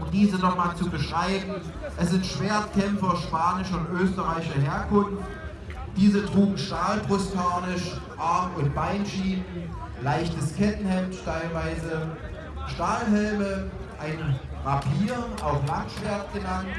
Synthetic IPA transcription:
ʊmdiːzənɔχmaːlt͡subəʃʁ̥aɪbm̩ | ʔɛsz̥ɪntʃv̥eːɐtkʰɛmfɐʃpaːnɪʃʊntʔøːstəʁaɪʃɐɦeːɐkʰʊnft | d̥iːzətʁ̥uːɡŋ̩ʃtaːlbʁʊstʰaːnɪʃʔaɐmʊntb̥aɪnʃiːnən | laɪçtəskɛtn̩hɛmttʰaɪlvaɪzə | ʃtaːlɦɛlməʔaɪn | vapʰiːɐʔaʊflantʃv̥eɐtɡ̥ənant

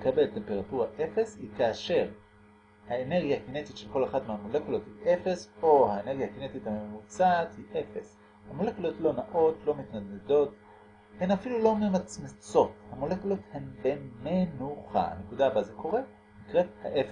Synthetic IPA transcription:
lekabe̞lte̞mpe̞ʁatuʁaʔefe̞shikaːʃe̞ʁ | haene̞ʁɡjahakine̞t̪itʃelko̞leχadmeamole̞kulo̞thiʔe̞fe̞so̞haene̞ʁɡjakine̞t̪ithamemut͡saːthiʔe̞fe̞s | hamole̞kulo̞tlo̞naʔo̞tlo̞mitnadedo̞t | he̞mafilulo̞memat͡smit͡so̞thamole̞kulo̞the̞mbemenuχa̰a̰ne̞kudaːbazeko̞ʁe | nikʁethaʔefe

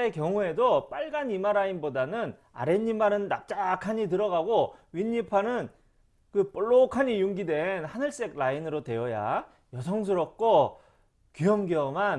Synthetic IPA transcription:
ekjʌŋue̞dop͈aɭɡanimaɾainbodanɯn | a̰ɾe̞ɲːimaɾɯnːa̰p̚t͡ɕ͈akʰaɲitɯɾʌɡaɡoɥiɲːipʰanɯn | kɯp͈ɯɭːokʰaɲijuŋɡidwe̞nhanɯɭs͈e̞ɡ̚lainɯɾotwe̞jʌja̰ | jʌsʰʌŋs̬ʰɯɾʌk̚k͈o | kyjʌmɡiʌman

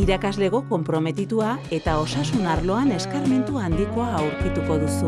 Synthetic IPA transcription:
iɾakazle̞ɣo̞ko̞mpɾo̞me̞t̪it̪uae̞t̪ao̞sasunaɾlo̞ane̞skaɾme̞nt̪uand̪iko̞aːwɾkit̪uko̞ðusu

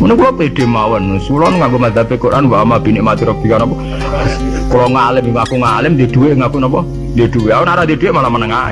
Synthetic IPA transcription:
munkulɔpeɖ̪̥e̤mawənsulɔnkaŋɡomad̪apekoɾʔanwamab̥inɪʔmat̪iɾɔb̥ikanɔmpɔ | kulɔŋalɪmiŋakuŋalɪmd̪e̤d̪̥uweʔŋakunɔmpɔ | d̪ed̪̥uweawənaɾad̪ed̥̪uweʔmalamənəŋa̰

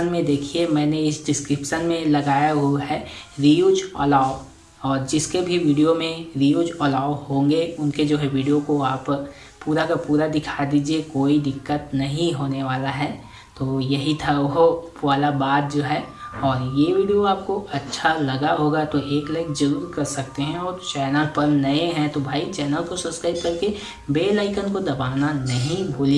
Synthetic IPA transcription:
ənmẽd̪eːkʰiemɛ̃ːneɪsɖɪskɾɪpʃənmẽlɐɡaːjaɦoɦɛːɾijuːd͡ʒɔ̰ːlaːʊ | ɔːɾd͡ʒɪskebʱiʋiːɖijomẽɾiːjuːd͡ʒɔːlaːʊɦõːŋɡeʊnked͡ʒoːɦɛʋiːɖijokoaːp | puːɾakapuːɾad̪ɪkʰad̪iːd͡ʒiekoːid̪ɪkːət̪nɐɦĩɦoːneʋaːlaɦɛː | t̪oːjɐɦit̪ʰaʊɦoʋaːlabaːd̪̚d͡ʒoːɦɛːɔːɾjeʋiːɖijoaːp̚koʔɐtːʃʰalɐɡaɦoːɡat̪oʔeːklaɪkzɐɾuːɾkɐɾsɐk̚t̪eɦɛ̃ɔːɾt͡ʃɛːnəlpɐɾnɐeɦɛ̃t̪obʱaːit͡ʃɛːnəlkosɐpskɾaːɪb̚kɐɾke | beːlaːɪkənkod̪ɐbaːnanɐɦĩboːli

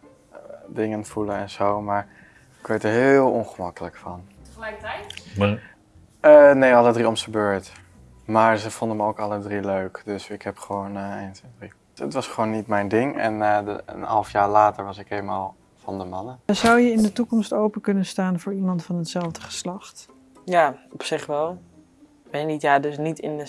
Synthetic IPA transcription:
dɪŋənfuləɛnzowmaːɹ | ɪkʋejtəɹɦɪːlˠɔnχəmɑkələkfɑn | lɛkt | ənejɑlˠədriɔmsəbøːɹt | maːɹzəfɔndəməowkɑlˠədriløɥkdɵsɪkɦɛpχəʋownəenətɪni | ətʋɑsχəʋoːnːitmɛjndɪŋɛ̰nə̰nɦɑ̰lˠfjaːɹlaːtəɹʋɑsɪkeːmaːlˠ | fɑndəmɑnəzʌwjəɪndətukɔmstowpəkɵnənstaːnvʊːɹimɑntfɑnɦətsɛlˠvdəχə̥slɑχt | jaːɔpsɪχʋɛlˠ | ʋɛnitjaːdɵsnitɪnə

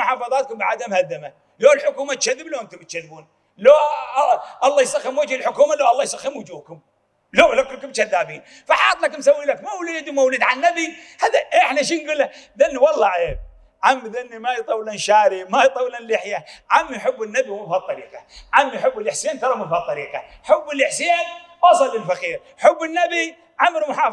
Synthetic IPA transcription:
mʊħɑːfɑðˤɑːt̪̚kʊmbɪʕad̪amhad̪ːama | loːlħʊkuːmat̪ʃaðːɪbloːʔɪnt̪ʊmbɪt̪ʃaðːbuːn | lo | ʔɑlˤːɑːjsˤaxːɪmwɪd͡ʒhɪlħʊkuːmaloːʔɑlˤːɑːjsˤaxːɪmwʊd͡ʒuːkʊm | loːlakʊlːkʊmʃaðːaːbiːn | faħɑt̪ˤlakʊmsawːilakmawliid̪ʊmawliːd̪ʕanːabihaðaʔeɪħnaʃ̬iːnɡuːlːaðanːiwɑlˤːɑʕe | ʕamːiðanːimajt̪ˤɑwlanʃaːɾimajt̪ˤɑwlanlɪħjaʕamːijħʊbːɪnːabiwmabhat̪ˤːɑɾḭːqɑʕamːijħʊbːɪlʔɪħsiːnt̪ɑɾˤɑmafhat̪ˤːɑɾiːqɑ̰ħʊbːɪlʔɪħsiːnwɑsˤɑlːɪlfaqiːɾ | ħʊbːɪnːabi | ʕamːɾmʊħɑː

